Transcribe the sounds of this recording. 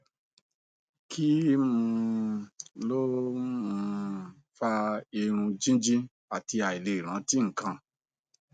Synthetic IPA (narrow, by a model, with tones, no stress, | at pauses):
kʰi˦mũ˧˦˧ | lo˦mũ˧ | fa˧e˧ɾ̃ũ˧d͡ʒĩ˦d͡ʒĩ˦ | a˨ti˧a˨i˨le˨ɾ̃ã˨˦ti˦ŋ̩˨kã˧